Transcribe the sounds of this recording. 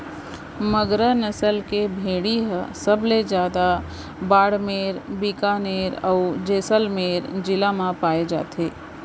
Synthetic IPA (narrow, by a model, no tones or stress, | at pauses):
məɡɾənəsəlkebʱeːɽiɦsəbled͡ʒjaːd̪a | baːɽmeːɾbikaneːɾəud͡ʒeːsəlmeːɾd͡ʒɪlamãpaːed͡ʒa̰ːt̪ʰeː